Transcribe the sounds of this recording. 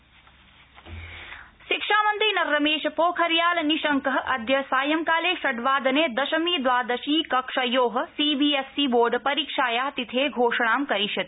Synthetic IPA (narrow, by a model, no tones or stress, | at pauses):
ʃikʂaːmɐnt̪ɾinɐɾːɐmeːʃɐpoːkʰɐɾjaːlɐniʃɐŋkɐɦɐʔɐd̪ʱjɐsaːjɐmkaːleːʃɐɖʋaːd̪ɐneːd̪ɐʃɐmiːd̪ʋaːd̪ɐʃiːkɐkʂɐjoːɦɐ̆siːbiːesːiːboːɾɖpɐɾiːkʂaːjaːt̪it̪ʰeːɡʱoːʂɐɳaːmkɐɾiʃɐt̪